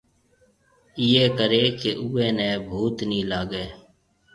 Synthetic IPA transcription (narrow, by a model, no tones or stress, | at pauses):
ɪeːkəɾeːkeʔuːeːnɛ̃ːbʱuːt̪nĩːlaːɡeː